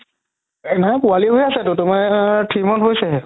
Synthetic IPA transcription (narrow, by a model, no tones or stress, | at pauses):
napʊaliɦojasɛtʊtʊmaʈʰimɔntɦojsɛ